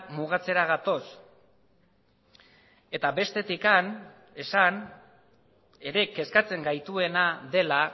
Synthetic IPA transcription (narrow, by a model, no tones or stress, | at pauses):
muɣ̞at͡se̞ɾaɣ̞at̪o̞s | e̞t̪abe̞st̪e̞t̪ikan | e̞san | e̞ɾe̞ke̞skat͡se̞ŋɡajt̪ue̞naðe̞la